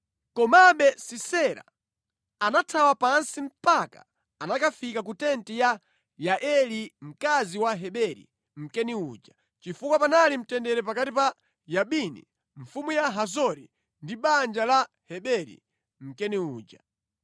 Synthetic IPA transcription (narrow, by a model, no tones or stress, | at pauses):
kɔmaɓɛsisɛɾa̰ | anatʰawapansim̩paka | anakafikak̬utɛntija | jaʔɛlim̩kaziwaɦɛɓɛɾḭ | m̩kɛniud͡ʒa | t͡ʃifukwapanalim̩tɛndɛɾɛpakatipa | jaɓinḭ | ɱ̩fumujaɦazɔɾḭ | ndiɓand͡ʒala | hɛɓɛɾḭ | m̩kɛniuːd͡ʒa